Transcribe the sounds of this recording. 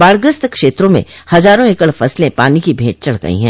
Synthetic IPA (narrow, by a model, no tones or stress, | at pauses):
baːɭɡɾəst̪kʃeːt̪ɾõmḛ̃hɐzaːɾõekəɭfɐslẽpaːnikibʱeːʈ̚t͡ʃɐɭɡɐ̰ḭɦɛ̰̃ː